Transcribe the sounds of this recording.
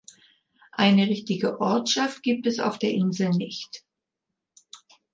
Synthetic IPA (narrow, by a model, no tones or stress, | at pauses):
ʔaɪnəʁɪçtɪɡəʔɔɐtʃaft̚ɡ̥iːp̚tɛsa̰ʊfd̥eːɐʔɪnzl̩nɪçt